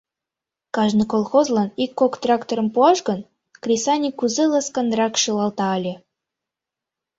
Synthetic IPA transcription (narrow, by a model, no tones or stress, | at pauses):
kɑʒnʲikolˠxozlˠɑnikːokt̪rɑkt̪oɾə̆mpuɑʃɡɤ̆n | krʲisɑnʲikuzelˠəskɑnd̪rɑkʃɯlˠɑlt̪ɑːlʲe